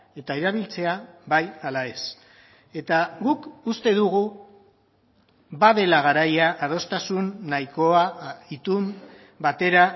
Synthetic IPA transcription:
e̞t̪aeɾaβ̞ilt͡se̞aβajalae̞s | e̞t̪aɣukust̪e̞ðuɣ̞u | baðe̞laɣ̞aɾajaʔað̞o̞st̪asunːajko̞ait̪um | bat̪e̞ɾa

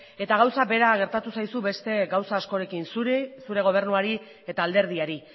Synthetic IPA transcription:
e̞t̪aɣ̞awsabe̞ɾaɣ̞e̞ɾt̪at̪usajsuβe̞st̪e̞ɣawsaːsko̞ɾe̞kinssuɾe̞ɣ̞o̞β̞e̞ɾnuaɾi | e̞t̪aːld̪e̞ɾð̞iaɾi

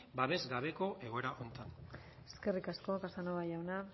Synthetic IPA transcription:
baβe̞zɡaβ̞e̞ko̞ʔe̞ɣo̞e̞ɾaʔont̪an | e̥ske̞rikasko̞kasanoβajawna

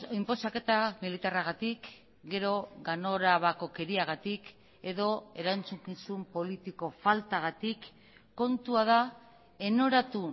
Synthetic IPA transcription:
impo̞sake̞t̪amilit̪araɣat̪ik | ɡe̞ɾo̞ɣano̞ɾaβako̞ke̞ɾiaɣ̞at̪ik | e̞ðo̞e̞ɾant͡sukisumpo̞lit̪iko̞falt̪aɣat̪ikː | o̞nt̪uaða | e̞no̞ɾat̪u

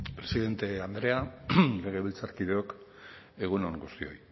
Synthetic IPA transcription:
pɾe̞siðe̞nt̪e̞and̪ɾe̞ale̞ɣ̞e̞βilt͡saɾkiðe̞o̞k | e̞ɣ̞unoŋɡust̪io̞̰j

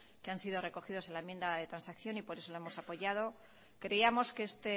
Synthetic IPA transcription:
keansiðo̞re̞ko̞xiðo̞se̞nlaemje̞nd̪aðe̞t̪ɾansakθjo̞nipo̞ɾe̞so̞lo̞emo̞sapo̞ʝað̞o̞ | kɾe̞iamo̞skeest̪e

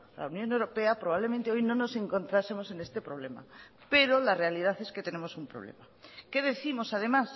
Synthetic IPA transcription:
la̰unjõnewɾo̞pe̞apɾoβaβlemẽnt̪eo̞jnõno̞se̞ŋkõ̞nt̪ɾase̞mo̞se̞ne̞st̪epɾo̞β̞le̞ma̰ | pe̞ɾo̞lare̞alið̞aθe̞sket̪e̞ne̞mosumpɾoβ̞lḛma | ke̞ðe̞θimo̞sað̞e̞mas

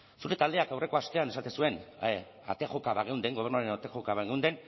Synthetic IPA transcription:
suɾe̞t̪ald̪e̞akawrʔe̞ko̞ast̪e̞ane̞sat̪e̞sue̞n | a̰t̪exokaβaɣe̞wnd̪e̞ŋɡo̞rnuaɾenat̪exokaβaɣewnd̪e̞n

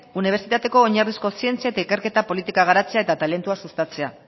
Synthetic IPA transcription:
uniβ̞eɾsit̪at̪e̞ko̞ːɲarðisko̞sie̞nt͡siaet̪aikeɾke̞t̪apo̞lit̪ikaɣ̞aɾat͡se̞aet̪at̪ale̞nt̪uasust̪at͡se̞a

